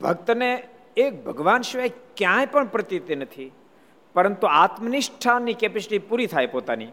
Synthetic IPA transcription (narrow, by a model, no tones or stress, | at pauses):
bʱək̚t̪əne | ek̚bʱəɡʋanʃʋakjãjpəɳpɾət̪it̪enət̪ʰi | pəɾənt̪uat̪məniʃʈʰanːikepɪslipuɾit̪ʰajpot̪ani